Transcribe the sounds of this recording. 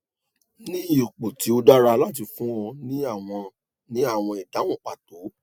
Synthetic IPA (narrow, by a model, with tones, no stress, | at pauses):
nĩ˦i˦˨k͡po˨ti˨˦o˧da˦ɾa˧la˦t̬i˧fũ˦ɔ˧nĩ˦a˦˨w̃ɔ̃˧ | nĩ˦a˦˨w̃ɔ̃˧i˨da˨˦wɔ̃˦˨k͡pa˨to˨˦